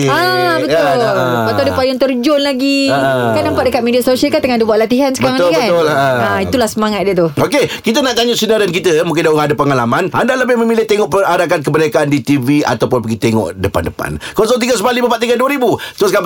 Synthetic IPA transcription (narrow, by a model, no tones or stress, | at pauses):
abət̪ʊlat̪adəpajʊnt̪ərd͡ʒʊnlaɡikanːampaʔ̚dəkat̪̚mediasosiəlkant̪əŋadəbuwaʔ̚lat̪iɦansəkaəɾaŋkab̪ʊləait̪ulahsəmaŋat̪̚diət̪ʊokekit̪ənaʔk̪aɲʊʔsinaɾənk̬it̪əmuŋkɪndauŋadəpəŋalamanʔandaləbɪhməmilɪht̪eŋɔʔpəadakank̬əbənakaandit̪ivia̰t̪awpʊnbəɡit̪eŋɔ̰ʔdəpa̰ndəpa̰nkɔsɔŋt̪iɡasəbalibəpat̪iŋɡaduəɾibut̪əɾʊska